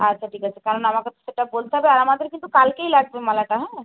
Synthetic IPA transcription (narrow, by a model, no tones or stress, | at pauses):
atːʃʰaʈʰiːkat͡ɕʰekaɾɔnamaket̪oseʈabolt̪aɦɛbeaɾamad̪eɾkint̪ukalkeilaɡbemalaʈaɦɛ̃